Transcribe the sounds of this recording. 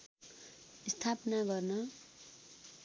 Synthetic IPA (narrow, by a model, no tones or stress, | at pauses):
ist̪ʰapʌnaɡʌrnʌ